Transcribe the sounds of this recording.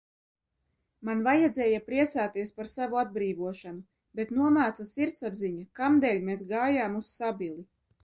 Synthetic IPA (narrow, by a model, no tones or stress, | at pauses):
manvajad̪zɛːjapɾiɛt̪saːt̪iɛspaɾsavuad̪̚bɾiːvuɔʃanu | bet̪nuɔmaːt̪sasiɾt̪sabziɲakamd̪ɛlʲmeːsɡaːjaːmussabʲilˠi